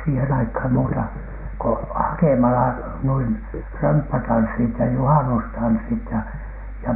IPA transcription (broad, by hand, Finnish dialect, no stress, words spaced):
siːhen ɑikhɑm muːtɑ ko hɑkemɑlɑ nuin rømpːætɑnsːit jɑ juhɑnustɑnsːit jɑ jɑ